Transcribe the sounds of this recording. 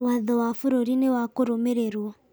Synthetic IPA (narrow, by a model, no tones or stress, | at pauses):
waðɔwafuɾoɾinewakoɾomɛɾɛɾwɔ